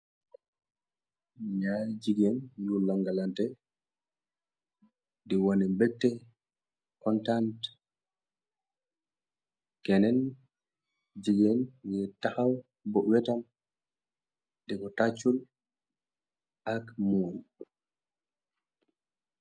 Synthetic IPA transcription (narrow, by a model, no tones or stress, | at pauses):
ɲad͡ʒiɡɛnjulːaŋɡalantɛ | diwonɛmbɛtːɛ | kɔntant | kɛnɛn | d͡ʒiɡɛnjɛtːahaw | bɔwɛtam | dɛɡɔtat͡ʃːul | ʔakmuɾi